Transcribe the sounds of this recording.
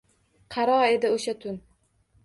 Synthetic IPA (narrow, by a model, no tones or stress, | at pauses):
qʰɑɾɒe̞d̪ɪoʃat̪ʰʊn